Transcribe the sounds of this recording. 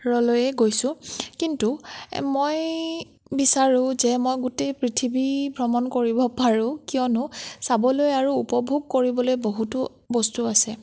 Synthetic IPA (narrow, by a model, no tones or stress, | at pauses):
ɹɔlojɛɡojsʊ̃kintumoj | bisaɹʊ̃zɛmojɡutejpɹitʰibibʱɹɔmɔnkoɹibɔpaɹʊ̃kijɔnʊsabɔlojaɹuːpɔbʱuɡ̚koɹibɔlojboɦutʊ | bɔstuasɛ